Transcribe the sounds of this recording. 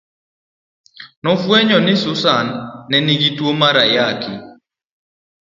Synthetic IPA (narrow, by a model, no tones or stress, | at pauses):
nɔfwɛɲɔnɪsʊsanːɛnɪɡitwomaɾajakɪ